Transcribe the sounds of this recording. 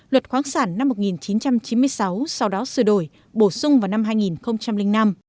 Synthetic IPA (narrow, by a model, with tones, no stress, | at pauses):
lwə˨˩t̚xwaː˨˦nsaː˧˩nːa˧mːo˨˩t̚ŋi˨˩nt͡ɕi˨˦nt͡ɕa˧mt͡ɕi˨˦nmɨ˧əjsa˨˦wsa˧wɗɔ˨˦sɨ˧˩ɗo˧˩j | ɓo˧˩sʊ˧wŋ͡mvaː˨˩wna˧mɦaː˧jŋi˨˩nxə˧wŋ͡mt͡ɕa˧mlï˧ŋ̟na˧m